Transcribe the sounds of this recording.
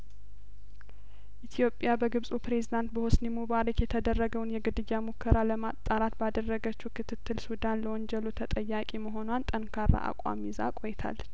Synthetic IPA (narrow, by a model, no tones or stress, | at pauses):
ʔit̪ʰijo̞pʼjabəɡɨβsʼupɾe̞zid̪ant̪bəhɔsnimuβaɾikjɛt̪ʰəd̪ərːəɡəwnjɛɡɨd̪ɨjːamukʰːəɾaləmat̪ʼːaɾat̪bad̪ərːəɡət͡ʃːukʰɨt̪ʰɨt̪ʰːɨlsud̪anləwɔnd͡ʒɛlut̪ʰət̪ʼəjːakʼiməɦo̞nwant̪ʼənkʰaɾa̰ʔa̰kʼa̰miza̰kʼojɛt̪ʰa̰l